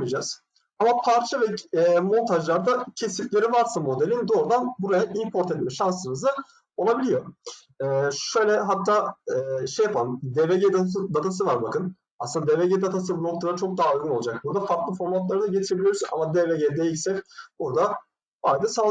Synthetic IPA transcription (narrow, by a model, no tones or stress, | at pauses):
ijd͡ʒaz̥ | amapʰaɾt͡ʃʰavɛmo̞nt̪ʰaʒlˠaɾd̪acʰe̞siflʲe̞ɾivaɾsamo̞d̪elʲind̪o̞ːɾud̪anbuɾajaʔimpʰo̞ɾt̪ʰɛt̪mɛʃansɯnɯzd̪a | o̞lˠabilʲijo̞ | ɛːʃøjlʲɛɦat̪ʰːaːɛːʃejːapʰalˠɯmd̪eveɟed̪aɯd̪at̪ʰas̬ɯvaɾbakɯn | asɯnd̪ad̪eveɟed̪at̪ʰas̬ɯbuno̞klˠad̪at͡ʃʰo̞k̚d̪aɦaojɡunolˠad͡ʒak̚buɾd̪afaɾklˠɯfo̞ɾmat̪lˠaɾɯd̪aɟe̞t̪ʰiɾebilʲijo̞ɾuza̰mad̪eveɟed̪ejilʲsɛbuɾd̪a | bajd̪ɯsa